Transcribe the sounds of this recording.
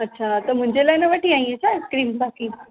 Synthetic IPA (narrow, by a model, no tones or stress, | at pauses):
ətːɕʰat̪əm̤ʊ̃ɲd͡ʑelajnəʋəʈʰiaɦĩet͡ɕʰaskɾiːmsakiː